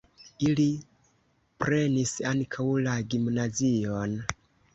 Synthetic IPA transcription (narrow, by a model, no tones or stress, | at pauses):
ili | pɾe̞nisaŋkʰawlaɡimnazion